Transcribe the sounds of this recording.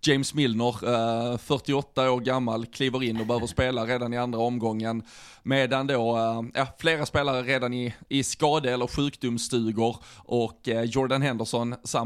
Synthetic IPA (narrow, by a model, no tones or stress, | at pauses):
d͡ʒɛɪmsmɪlnəɾfœʈɪɔt̪ːaoːɾɡamːalkʰliːvəɾɪnːɔbəhøːvəʂpeːlaɾeːd̪anɪand̪ɾaɔmɡɔŋːənmeːd̪and̪oːjʔɑːfleːɾaspeːlaɾəɾeːd̪anɪɪskɑːd̪əɛlːəɾɧʉ̟ːkd̪ʊmst̪ʉ̟ːɡʊɾʔɔkːjɔɾɖanɦɛnd̪əʂɔnsa